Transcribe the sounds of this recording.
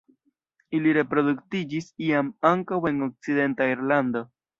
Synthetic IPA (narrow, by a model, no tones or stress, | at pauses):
iliɾe̞pɾo̞duktid͡ʒisiamaŋkawe̞ŋo̞k̚t͡side̞ntaiɾlando̞